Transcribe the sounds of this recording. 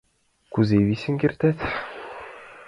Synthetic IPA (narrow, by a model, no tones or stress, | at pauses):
kʉzeβisʲɘ̆ŋkʲirt̪æt̪